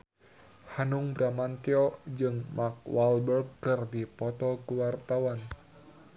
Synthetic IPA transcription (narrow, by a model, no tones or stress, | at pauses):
hanuŋbɾamant̪iɔd͡ʒɨŋmak̚walbərɡːɨrdipɔt̪ɔkuwart̪awan